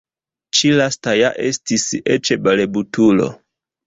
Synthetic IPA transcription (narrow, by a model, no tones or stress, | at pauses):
t͡ʃilastajaʔestisiet͡ʃebalebutʰulo̰